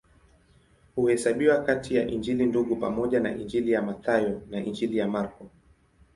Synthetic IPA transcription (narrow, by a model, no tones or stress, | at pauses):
huhɛsaɓiwakatijaʔiɲd͡ʒilinduɠupamɔʄana̰ʔind͡ʒilijamaθajɔnaʔind͡ʒilijamaɾkɔ